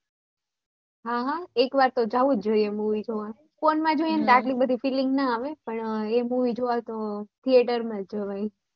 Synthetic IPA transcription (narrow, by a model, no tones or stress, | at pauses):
ɦaɦaekʋaɾt̪od͡ʒaʋud͡ʒd͡ʒoiemuʋid͡ʒoʋa | fonmãd͡ʒoiənt̪aʈlibəd̪ʱifilɪŋɡnəaʋepəɳemuʋid͡ʒoʋaet̪ot̪ʰieʈəɾmãd͡ʒəʋai